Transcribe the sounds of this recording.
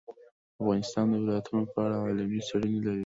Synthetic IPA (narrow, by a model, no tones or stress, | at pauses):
afɣɑnɪst̪ɑnd̪əwɪlɑjat̪unopəaɽaːlamisaɽənelaɾi